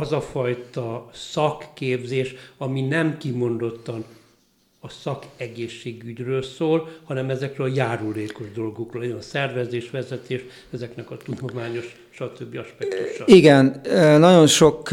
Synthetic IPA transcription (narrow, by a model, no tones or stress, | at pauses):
ɒzɒfɒjt̪ɒsɒkːeːbzeːʃɒminɛmkimo̞nd̪o̞t̪ːɒn | ɒsɒkɛɡeːʃːeːɡyɟrøːlsoːlhɒnɛmɛzɛkrøːlɒjaːɾuleːko̞ʒd̪o̞lɡo̞kroːlɛjnsɛrvɛzeːʃʋɛzɛt̪eːʃ | ɛzɛknɛkɒt̪ud̪o̞maːɲo̞ʃ | ʃɒt̪øbːiɒʃpɛt̪uu̥ʃɒiɡɛnnɒɟo̞nʃok